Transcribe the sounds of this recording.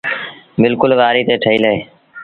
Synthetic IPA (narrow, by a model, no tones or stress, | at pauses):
bɪlkʊlʋaːɾiːt̪eːʈʰəiːləɦeː